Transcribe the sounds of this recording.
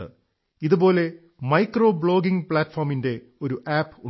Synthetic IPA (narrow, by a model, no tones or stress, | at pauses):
ɨ̰ | iðubo̞ːle̞ | mɐjkro̞ːbɭo̞ːɡiŋpɭaːtːfɐːrminde̞ | o̞ɾuʔaːpːu